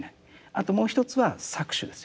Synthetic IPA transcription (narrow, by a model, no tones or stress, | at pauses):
nai | at̪o̞mo̞ːçi̥t̪o̞t͡sɨβasakɯ̟̥ɕɨd̪e̞sɨ